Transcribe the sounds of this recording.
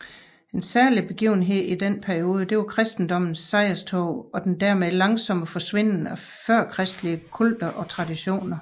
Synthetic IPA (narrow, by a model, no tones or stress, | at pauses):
e̝nsæɐlib̥e̝ɡ̥ḭːʊ̰n̩ɦe̝ð̰ˠid̥en̰pʰæɐio̝ːð̞ˠəd̥e̝ʋɑ̈kʰʁɛsd̥n̩d̥ɒ̽m̰n̩sːɑ̈ɪɐst͡sʰɔ̰ʊ̰ɒ̽d̥end̥æɐ̰meðˠlɑ̈ŋsɒ̽m̰əfɒ̽sʋe̝n̰n̩æ | fɶɐ̰kʰʁɛsd̥liəkʰul̰d̥ɐʔɒ̽t͡sʰʁɑ̈d̥iɕo̝̰ːnɐ